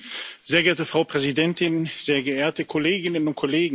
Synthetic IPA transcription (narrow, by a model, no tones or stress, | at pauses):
z̥eːɐɡeɐtəfʁ̥aʊpʁ̥ɛzidɛntɪnz̥eːɐɡəʔeːɐtəkʰɔleːɡɪnənʊnt̚kʰɔleːɡŋ̩